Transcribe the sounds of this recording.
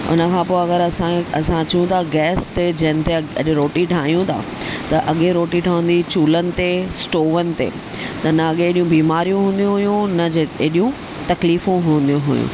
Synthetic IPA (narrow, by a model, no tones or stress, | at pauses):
ʊ̰nəkʰãːpoːɐɡəɾɐsãɐsãt͡ɕɐɦũt̪ʰaɡɛːst̪ed͡ʑɐɦɪ̃n̆t̪eɐ̰ʄʊɾoːʈiʈʰaːɦijũt̪ʰa̰ː | t̪ɐʔɐɠeɾoːʈiʈʰaːʋə̃n̆d̪it͡ɕuːlənɪ̆t̪esʈoːʋənɪ̆t̪ḛː | t̪ɐnɐɐɠeːɗijũbiːmaːɾijũɦũːn̆d̪jũɦʊjũnɐd͡ʑeeɗijũ | t̪ɐkliːfũɦũːn̆d̪ijũɦʊjṵ̃